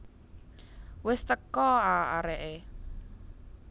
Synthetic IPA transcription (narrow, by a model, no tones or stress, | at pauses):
wɪst̪əkɔaa̰ɾɛʔe